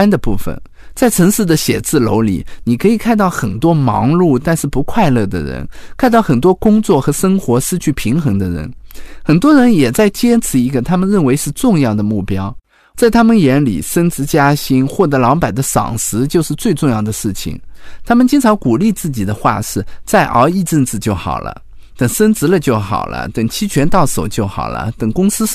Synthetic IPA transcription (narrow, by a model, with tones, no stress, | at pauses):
nd̪ə˨pu˥˩fə̰˨˩n | t͡sa˥˩ɪʈ͡ʂʰɤ˧˥ŋʂɻ̩˥˩d̪ə˩ɕjɛ̰˨˩t͡sɹ̩˥˩lo˧˥ʊlḭ˨˩˦ni˨˩kʰɤ˧˥i˨˩kʰa˥˧nt̪ɑ˥˩ʊxə˨˩nt̪wɔ˥mɑ̰˧˥ŋlu˥˩t̪a˥˧nʂɻ̩˥˩pu˧˥kʰwa˥˧ɪlɤ˥˩d̪ə̰˩ɻə̰˧˥nkʰa˥˧nt̪ɑ˥˩ʊxə˨˩nt̪̬wɔ˥kʊ˥ŋt͡swɔ˥˩xɤ˧˥ʂɤ˥ŋxwɔ˧˥ʂɻ̩˥˧t͡ɕʰy˥˩pʰi˧˥ŋxɤ˧˥ŋd̪ə˧ɻə̰˧˥nxə˨˩nt̪wɔ˥ɻə˧˥njɛ˨˩t͡sa˥˩ɪt͡ɕjɛ˥ʈ͡ʂʰɻ̩˧˩i˧˥ɡə˧t̪ʰa˥mə˨nɻə˥˩nwe˧˥ɪʂɻ̩˥˧ʈ͡ʂʊ˥˧ŋjɑ˥˩ʊd̪ə˩mu˥˩pjɑ˥ʊ | t͡sa˥˩ɪt̪ʰa˥mə˨njɛ˧˥nlḭ˨˩ʂə˥nt͡sɹɻ̩˧˥t͡ɕja˥ɕi˥nxwɔ˥˩t̪ɤ˧˥lɑ˧˥ŋpa˨˩ɪd̪ə˦ʂɑ̰˨˩ŋʂɻ̩˧˥t͡ɕjo˥˧ʊʂɻ̩˥˧t͡swe˥˧ɪʈ͡ʂʊ˥˧ŋjɑ˥˩ʊd̪ə˩ʂɻ̩˥˩t͡ɕʰḭ˨˩ŋt̪ʰa˥mə˨nt͡ɕi˥ŋt͡sʰɑ˧˥ŋku˨˩li˥˧t͡sɹ̩˥˩t͡ɕi˨˩d̪ə˦xwa̰˥˧ʂɻ̩˥˧t͡sa˥˩ɪʔə˧˥i˥˧ʈ͡ʂə˥˧nt͡sɹ̩˥˧t͡ɕjo˥˩ʊxɑ̰˨˩ʊlə̰˦ | t̪ə˨˩ŋʂə˥nt͡sɹ̩˧˥lə˧t͡ɕjo˥˩ʊxɑ̰˨˩ʊlə̰˦t̪ə˨˩ŋt͡ɕʰi˥t͡ɕʰɥɛ˧˥nt̪ɑ˥˩ʊso˨˩ʊt͡ɕjo˥˩ʊxɑ̰˨˩ʊlə̰˦t̪ə˨˩ŋkʊ˥ŋsɹ̩˥